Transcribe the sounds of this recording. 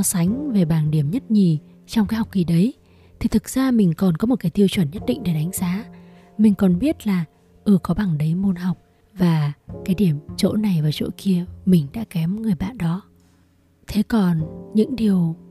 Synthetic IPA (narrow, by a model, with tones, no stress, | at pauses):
ɔ˨˦sa˨˦jŋ̟ve˨˩ɓaː˨˩nɗi˧˩əmɲə˦˥t̚ɲi˨˩ | t͡ɕɔ˧wŋ͡mkaː˨˦jɦa˨˩k͡p̚ki˨˩ɗə˨˦j | t̪ʰi˨˩t̪ʰɨ˨˩k̚z̥aː˧mï˨˩ŋ̟kɔ˨˩nkɔ˨˦m˨˩t̚kaː˨˦jt̪i˧ə˧wt͡ɕwə˧˩nɲə˦˥t̚ɗḭ˧˨ŋ̟ɗe˧˩ɗa˨˦jŋ̟zaː˨˦ | mï˨˩ŋ̟kɔ˨˩nɓi˦˥ət̚laː˨˩ | ʔɨ˧˩kɔ˨˦ɓa˨˩ŋɗə˨˦jmo˧nɦa˨˩wk͡p̚ | vaː˨˩kaː˨˦jɗi˧˩əmt͡ɕo̰˧˥na˨˩jvaː˨˩wt͡ɕo̰˧˥ki˧əmï˨˩ŋ̟ɗa̰ː˧˥kɛ˨˦mŋɨ˨˩əjɓa̰ː˧˨nɗɔ˨˦ | t̪ʰe˨˦kɔ˨˩nɲɨ̰˧˥ŋɗi˨˩əw